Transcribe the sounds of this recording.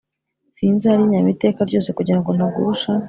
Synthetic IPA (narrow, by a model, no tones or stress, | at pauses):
siːnzaaɾiːɲamite̞ːkaɾɟo̞ːse̞kuɟiɾaŋɡo̞naɡṵuʃa